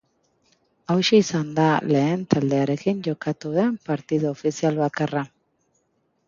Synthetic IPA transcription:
awʃiisand̪ale̞ːnt̪ald̪e̞aɾe̞kiɲʝo̞kat̪uðe̞mpaɾt̪iðoofisialβakara

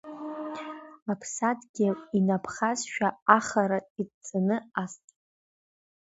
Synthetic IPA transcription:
apʰsadɡʲɪinapʰχazʃᶣaːχaɾaidt͡sʰanɨastʼ

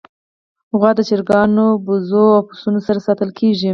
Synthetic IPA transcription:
hʊɣwɑd̪ət͡ʃɪɾɡɑnobʊzoawpʊ̥sunosaɾasɑt̪əlkʰeʒi

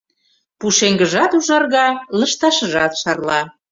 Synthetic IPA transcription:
puʃeŋɡəʒɑt̪uʒɑrɣɑləʃt̪ɑʃəʒɑt̪ʃɑrlɑ

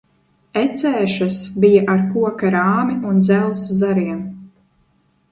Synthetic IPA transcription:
ɛt̪sɛːʃasbijaʔaɾkuɔkaɾaːmiʔund̪zɛlˠszaɾiɛm

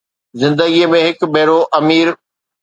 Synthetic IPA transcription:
zɪ̃nd̪əɡiəmẽɦɪkbʱeːɾoʔɐmiːɾ

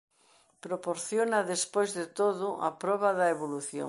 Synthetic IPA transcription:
pɾopoɾθjonɐðespojzðet̪oðʊʔɐ̰pɾɔβɐðɐeβoluθjo̰

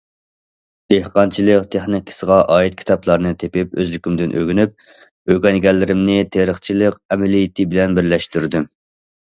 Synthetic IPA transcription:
d̪̥ehqɑnt͡ʃʰilˠɨqt̪ʰeχnikʲʰɪ̥səʁɑʔɑːit̪̚kʲʰi̥t̪ʰɑpʰlˠɑɾnɨt̪ʰepɪpø̰zlykʲymd̪ɪnʔø̰ɡʲynyp̚ | øɡʲɛnɡʲɛlːɪɾɪmnɪt̪ʰeɾəχt͡ʃʰilˠɨqɛmɛlijit̪ʰɪbɪlɛnbɪɾlɛʃt̪yɾd̪u

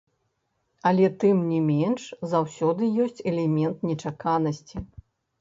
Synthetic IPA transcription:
ɐlʲɛt̪ɨmnʲɛmʲɛnʂzawsʲɔd̪ɨjɔsʲt͡sʲɛlʲɛmʲɛnt̪nʲɛt͡ʂakanɐsʲt͡sʲi

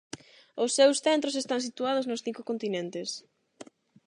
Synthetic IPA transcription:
ʊsːewsθɛnt̪ɾosest̪aŋsit̪uað̞ʊznʊsθiŋkʊkõnt̪inent̪ɪs

